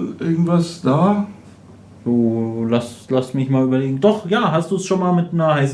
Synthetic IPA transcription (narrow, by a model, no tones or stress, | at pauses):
nʔɪɐɡŋ̩tv̥asd̥aː | z̥oːlaslastmɪçmaːlyːbɐleːɡŋ̩dɔχjaːɦastd̥uːsʃoːnmaːlmɪtnɐɦaɪs